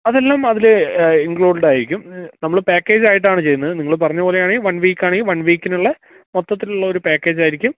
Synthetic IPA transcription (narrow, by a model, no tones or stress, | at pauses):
ɐðelːaːmɐðiliŋkɭuːɖeɳɖaːjiɾikʲːumnɐmːɐɭpeːkːe̞ːd͡ʑaːjiʈ̬ːaːɳɨt͡ɕe̞junːɐðɨniŋːɐɭp̬ɐrɐɲːɐbo̞ːlejaːɳiʋɐnʋiːkːaːɳiʋɐnʋiːkʲːinuɭːɐ | mot̪ːɐt̪ːiluɭːɐoɾupeːkːe̞ːd͡ʑaːjiɾikʲːum